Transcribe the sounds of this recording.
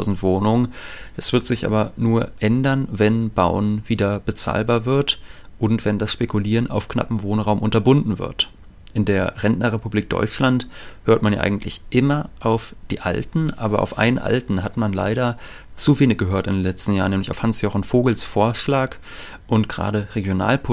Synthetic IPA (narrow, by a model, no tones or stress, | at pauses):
ʊzn̩tv̥oːnʊŋənd̥asv̥ɪɐtz̥ɪçʔa̰ːbɐnuːɐʔɛndɐnvɛnbaʊnviːdɐb̥ət͡sa̰ːlbaːɐvɪɐtʔʊntv̥ɛndasʃpekuliːʁənʔa̰ʊfkna̰pm̩voːnʁaʊmʔʊntɐbʊndn̩vɪ̰ɐt | ʔɪndeːɐʁɛnnɐʁepubliːk̚d̥ɔ̰ʏt͡ʃlanthøːɐtmanja̰ːʔa̰ɪɡŋ̩tʰlɪçʔɪmɐʔaʊfd̥iːʔa̰ltn̩ʔa̰ːbɐʔa̰ʊfʔa̰ɪnənʔa̰ltn̩hatmanla̰ɪɾɐ | t͡suveːnɪç̚ɡ̥əɦøːɐtɪ̰ndenlɛt͡stn̩jaːʁəneːm̩lɪçaʊfhansjoːχnfoːɡl̩sfoːɐʃlaːk | ʔʊntɡ̥ʁa̰ːɾəʁeɡjona̰ːlpʰ